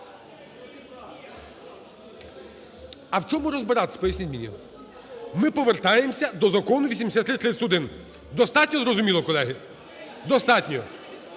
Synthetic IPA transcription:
ɐwt͡ʃɔmʊɾɔzbɪɾɑt̪sʲpɔjisʲnʲizʲminʲḭ | mɪpɔʋert̪ɑjemsʲɐd̪ɔzɐkɔnʊʋʲisʲimd̪esʲat̪ːɾɪt̪ːɾɪsʊd̪ɪn | d̪ɔst̪ɑtʲnʲɔzɾɔzʊmʲilˠɔkɔlˠɛɦɪ | d̪ɔst̪ɑtʲnʲɔ

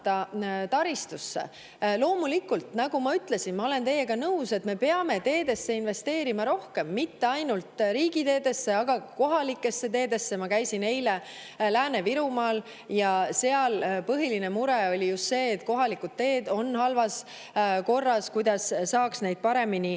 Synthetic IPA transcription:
t̪ɑt̪ɑɾist̪usːe̞̰ | lo̞ːmulikːult̪nɑɡ̥umɑyt̪le̞sinmɑo̞le̞nt̪e̞jːeɡɑnɤwse̞t̪me̞pe̞ɑme̞t̪e̞ːd̪e̞sːe̞inve̞st̪e̞ːɾimɑɾo̞hke̞mːit̪ːe̞ɑjnult̪ɾiːɡ̥it̪e̞ːd̪e̞sːe̞ɑɡ̥ɑko̞ɦɑlikːˑe̞sːe̞t̪e̞ːd̪e̞sːe̞mɑkæjsine̞jle̞ | læːne̞viɾumɑːl | jɑse̞ɑlpɤɦiline̞muɾeo̞lʲijust̪se̞ːt̪ko̞ɦɑlikud̪̚t̪e̞ːd̪o̞nhɑlvɑs | ko̞rːɑskujd̪̥ɑssːɑːksne̞jd̪̥̚pɑɾe̞mini

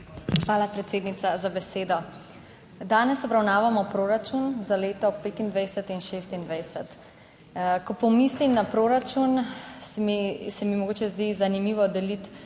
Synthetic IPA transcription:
xʋaːlapɾɛt̪seːd̪nit̪sazabɛseːd̪ɔ | d̪aːnɛsɔbɾawnaːʋamɔpɾoɾat͡ʃunzaleːt̪ɔpeːt̪ind̪ʋɛjsɛt̪inʃeːs̬t̪ind̪ʋɛjsɛt̪ | kɔpɔmislimnapɾoːɾat͡ʃun | isɛmimɔɡoːt͡ʃɛzd̪izanimiːʋɔd̪ɛlit̪

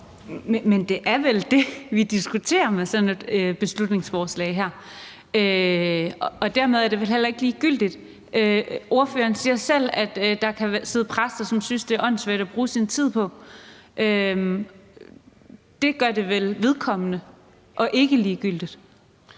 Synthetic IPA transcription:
mend̥e̝ʔæɐʋeld̥e̝ʋid̥isɡ̥ut͡sʰe̝̰ːɐmesɒ̽ne̝d̥øb̥e̝slud̥ne̝ŋsfɒːslɛ̰ɪ̰ɦæɐ̰ | ø | ɒ̽d̥æɐ̰me̝ð̞ˠæɐd̥e̝ʋelɦel̰ɐe̝ɡ̥liːɡ̥yl̰d̥id̥ | ʔøo̝ɐfø̰ːɐːnsiːɐsel̰æd̥ːɑ̈kʰæʋæse̝ːð̩ˠpʰʁasd̥ɐsɒ̽msynsd̥e̝æʔɒ̽n̰sʋeɐd̥æb̥ʁuːsint͡sʰið̰ˠpʰɒ̽ʔøm | d̥e̝ɡ̥ɶɐd̥e̝ʋelʋeðˠkʰɒ̽mənə | ʔɒ̽ʔe̝ɡ̥əliːɡ̥yl̰d̥id̥

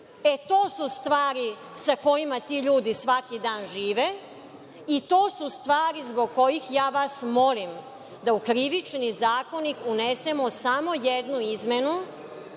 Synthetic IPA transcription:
e̞t̪o̞ːsust̪ʋaːɾi | sako̞jimat̪iːʎuːd̪isʋakid̪aːnʒiːʋe | it̪o̞ːsust̪ʋaːɾizboɡko̞jixjaːʋasmo̞lim | d̪aukɾiʋit͡ʃnizaːkonikunesemosamo̞jed̪nuizmenu

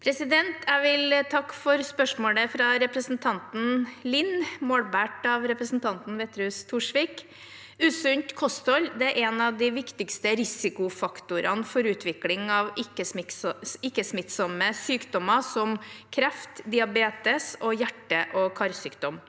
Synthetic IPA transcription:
pʰɾɛsɪd̪ɛnt̪ʰæʋɪlt̪ʰɑkːfɔɾspœʂmoːləfɾɑɾɛpɾəsn̩t̪ʰɑnt̪n̩lɪnmoːɽbæʈɑʋɾɛpɾəsn̩t̪ʰɑnt̪n̩ʋeːt̪ɾʉst̪ʰuːʂʋɪːk | ʉːsʉnt̪kʰɔst̪ɔld̪ɛæɾʔɛnɑʋd̪ɪʋɪkt̪ɪkst̪əɾɪsɪkʊfɑkt̪ʊɾɑ̰nfɔɾʉːt̪ʰʋɪklɪŋɑʋɪkːə | ɪkːəsmɪt̪sɔməsyːkd̪ɔmɑsɔmkʰɾɛft̪d̪ɪɑbeːt̪əsɔjæʈːəʔɔkʰɑɾsyːkd̪ɔm

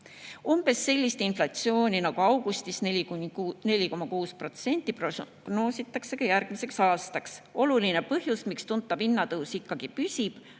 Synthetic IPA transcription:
umb̥e̞sːe̞lʲːist̪inflɑt̪sio̞ːnʲinɑɡ̥uɑwɡ̥ust̪isnene̞lʲiko̞mɑkuːspro̞t̪se̞nʲt̪ˑːip | ɡ̥no̞ːsit̪ːˑɑkse̞kɑjærɡ̥mise̞ksɑːst̪ɑkso̞lulinepɤɦjusmikst̪unt̪ːˑɑb̥inːɑt̪ɤwsikːɑɡ̥ipysʲib̥

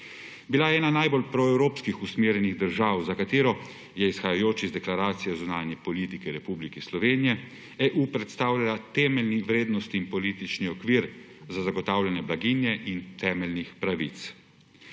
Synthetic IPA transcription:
bilajɛɛːnanajbolpɾɔɛwɾoːpskixusmeːɾjɛniɣd̪əɾʒaːwzakat̪eːɾɔ | jɛisxajajoːt͡ʃizd̪ɛklaɾaːt̪sijɔzunaːnjɛpɔlit̪ikɛɾɛpublikislɔʋeːnijɛ | ɛʔuːpɾɛt̪st̪aːwlʲalat̪ɛːmɛlniʋɾeːd̪nɔst̪iːnpɔlit̪it͡ʃniɔkʋiɾ | zazaɡɔt̪aːwlʲjanjɛblaɡinjɛʔint̪ʰɛːmɛlnixpɾaʋḭt̪s

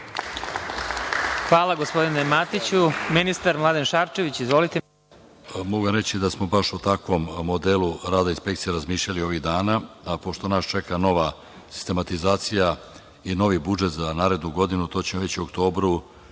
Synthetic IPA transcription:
xʋaːlˠaɡospo̞d̪inemat̪it͡ɕuminist̪aɾmlˠad̪enʃaɾt͡ʃe̞ʋit͡ɕizʋo̞lit̪e | moɡujamɾe̞t͡ɕid̪asmo̞baʃut̪akʋo̞mːo̞d̪eluɾaːd̪ainspe̞k̚t̪sijeɾazmiːʃlʎalio̞ʋiɣd̪aːnaapo̞ʃt̪o̞naːst͡ʃe̞kano̞ʋa | si̥st̪e̞mat̪izaːt̪sija | ino̞ʋibud͡ʒe̞t̪zanaːɾe̞d̪nuɡo̞d̪inut̪o̞ːt͡ɕemoʋe̞t͡ɕiuokt̪o̞ːbɾu

